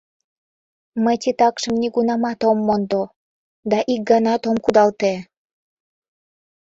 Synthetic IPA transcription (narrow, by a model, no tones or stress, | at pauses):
məjt̪it̪ɑkʃəmniɡunɑmɑt̪omːond̪o | d̪ɑʔik̚ɡɑnɑt̪omkud̪ɑlt̪e